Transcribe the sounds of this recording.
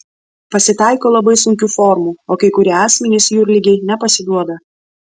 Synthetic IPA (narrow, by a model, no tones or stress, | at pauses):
pɐsʲɪt̪ɑˑɪkoːlˠɐbɐɪsʊŋʲkʲuːfɔɾmuːoːkɐɪkʊɾʲiɛɑːsʲmʲɛnʲɪsjuːɾʲlʲɪɡʲɛɪnʲɛpɐsʲɪd̪uɔd̪ɐ